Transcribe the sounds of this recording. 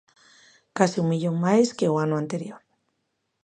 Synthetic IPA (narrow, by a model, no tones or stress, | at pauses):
kasiummiʎo̞ŋmajske̞oanoant̪e̞ɾjo̞ɾ